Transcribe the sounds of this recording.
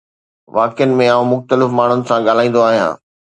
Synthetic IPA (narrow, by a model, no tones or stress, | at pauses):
ʋaːkɪjənɪ̆mẽaːũmʊxt̪əlɪfmaːɳ̤ʊnɪ̆sãɠaːl̤aːĩːn̆d̪oaːɦijã̰ː